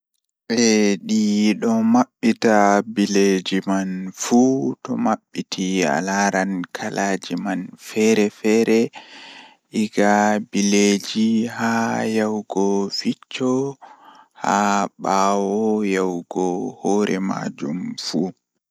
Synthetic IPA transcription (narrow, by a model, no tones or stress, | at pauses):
ɓɛɗiɗɔmaɓːitabiled͡ʒimanfutɔ̰maɓːitʰia̰laɾankʰalʔaːd͡ʒimanfɛɾɛfɛːɾɛ | ʔiɡabiled͡ʒihajawɡɔfit͡ʃːɔ | haɓaːwɔjawɡɔhɔɾʔɛma̰d͡ʒumfu